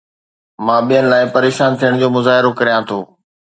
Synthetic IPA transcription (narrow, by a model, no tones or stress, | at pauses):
mãːɓijənɪ̆laːɪpɐɾeːʃaːnt̪ʰijəɽ̃d͡ʑoːmʊzaːɦɪɾokɐɾijãt̪ʰoː